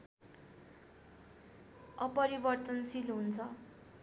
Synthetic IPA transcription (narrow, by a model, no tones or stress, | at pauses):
ʌpʌɾibʌrt̪ʌnsilɦunt͡sʰʌ